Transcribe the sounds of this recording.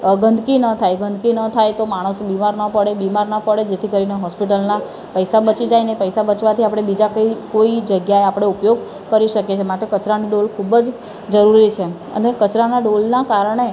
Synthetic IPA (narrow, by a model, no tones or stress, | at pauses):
ɡənd̪kinət̪ʰajɡʱənd̪kinət̪ʰajt̪omaɽ̃əsbimaɾnəpəɽebimaɾnəpəɽed͡ʒet̪ʰikəɾineɦɔspiʈəlna | pəjsabət͡ʃid͡ʒajnepəjsabət͡ʃʋat̪ʰiapɽ̃ebid͡ʒakəikoid͡ʒəɡjaeapɽ̃eupjoɡ | kəɾiʃəket͡ʃʰemaʈ̪ekət͡ʃɾaniɖolkʰubəd͡ʒ | d͡ʒəɾuɾit͡ʃʰe | ə̰nekət͡ʃɾanaɖolnakaɾəɳ̃e